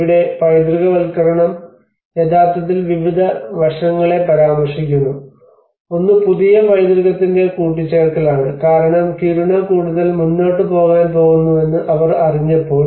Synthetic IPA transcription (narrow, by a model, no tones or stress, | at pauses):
ʋiɽe̞ʋɐjd̪ɾiɣɐʋɐlkɐɾɐɳɐm | ed̪aːft̪ɐt̪̬ːilʋiʋid̪ʱɐʋɐrʂɐŋːɐɭe̞pɐɾaːmɐrʂikʲːunːu | o̞nːɨpuðijɐʋɐjd̪ɾiɣɐt̪ːinde̞kuːʈːit͡ɕːeːɭkːɐlaːɳɨkaːɾɐɳɐmkiɾuɳɐkuːɽuðɐlmunːoːʈːɨpo̞ːɣaːnpo̞ːɣunːue̞nːɨʔɐʋɐrɐriɲːɐpːo̞ːl